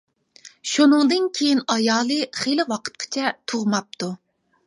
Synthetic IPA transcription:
ʃunɨŋd̪ɨnkʲʰejinɑjɑːlˠɨχelɪwɑqʰə̥t̪̚qʰə̥t͡ʃʰɛt̪ʰʊʁmɑp̚t̪ʰu

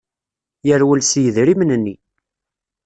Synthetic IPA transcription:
jəɾwəlsjəðɾimnnːi

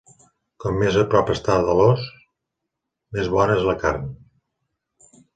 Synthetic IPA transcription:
kɔmːezəpɾɔpəst̪aðəlɔs | mezβɔnəezləkaɾn

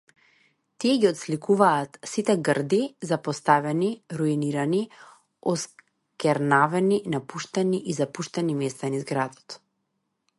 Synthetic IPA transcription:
t̪iɛɡiɔt̪slikuvaːt̪sit̪ɛɡrd̪izapɔst̪avɛniɾuiniɾani | ɔs | kʲɛɾnavɛninapuʃt̪ɛniʔizapuʃt̪ɛnimɛst̪anizɡɾad̪ɔ̥t̪

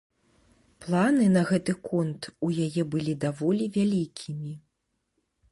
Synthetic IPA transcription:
plˠanɨnɐɣɛt̪ɨkɔnt̪ujajɛbɨlʲid̪avɔlʲivʲalʲikʲʰimʲi

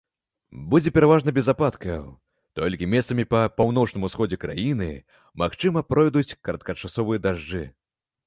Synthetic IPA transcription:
bud͡zʲɛpʲɛɾavaʐnɐbʲɛzapat̪kɐj̰ | t̪ɔlʲkʲimʲɛssɐmʲipɐpawn̪ɔt͡ʂnɨmusxɔd͡zʲɛkɾa̰jinɨ̰ | maxt͡ʂɨmɐpɾɔjd̪ut͡sʲkɐɾɐt̪̚kɐt͡ʂasɔvɨjɐd̪aʐd͡ʐɨ

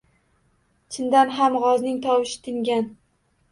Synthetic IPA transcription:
t͡ʃʰɪnd̪anɦamʁɒznɪŋt̪ʰɒwɪʃɪ̥t̪ʰɪŋɡʲan

